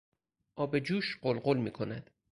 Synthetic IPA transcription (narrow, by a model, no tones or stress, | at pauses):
ʔɒːbe̞d͡ʒuːʃɢolɢolmḭːkʰo̞næd̪̥